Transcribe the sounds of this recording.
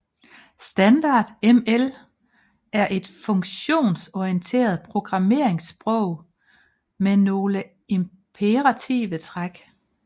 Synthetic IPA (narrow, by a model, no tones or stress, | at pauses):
sd̥ænd̥ɑ̈ːd̥emel | æɐʔe̝d̥fɔ̽ŋɕo̝̰ːnsɒiənt͡sʰe̝̰ːɐð̞ˠpʰʁo̝ɡ̥ʁɑ̈me̝̰ɐ̰e̝ŋsb̥ʁɔʊ̰ | meno̝ːlə | e̝m | pʰeʁɑ̈t͡sʰḭːʋət͡sʰʁaɡ̥